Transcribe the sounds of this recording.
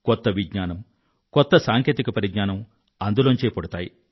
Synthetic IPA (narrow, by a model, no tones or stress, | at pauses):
kɔt̪ːɐʋiɡɲaːnɐm | kɔt̪ːɐsaːŋkʰeːt̪ikɐpɐɾiɡɲaːnɐm | ɐnd̪ulont͡ʃeːpɐɽut̪aːji